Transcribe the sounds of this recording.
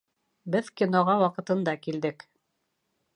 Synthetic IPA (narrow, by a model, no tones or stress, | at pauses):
bɘðkʲinoʁɑwɑqɤ̆t̪ɤ̆nd̪ɑkild̪ɘk